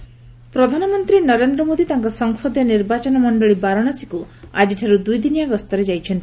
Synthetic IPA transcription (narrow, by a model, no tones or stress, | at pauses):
pɾɔd̪ʱanɔmɔnt̪ɾinɔɾend̪ɾɔmod̪it̪aŋkɔsɔŋsɔd̪ɔniɾbat͡ʃɔnɔmɔɳɖɔɭibaɾɔɽ̃asi̥kuad͡ʒiʈʰaɾud̪ujd̪inijaɡɔst̪ɔɾed͡ʒajt͡ʃʰɔnt̪i